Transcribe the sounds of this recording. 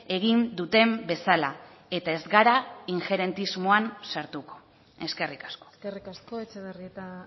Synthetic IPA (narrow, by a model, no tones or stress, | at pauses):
e̞ɣ̞ind̪ut̪e̞mbe̞sala | e̞t̪ae̞zɡaɾaiŋxe̞ɾe̞nt̪izmoansaɾt̪uko̞̥ | e̞ske̞rikḁsko̥skerikaskoet͡ʃeβeriet̪a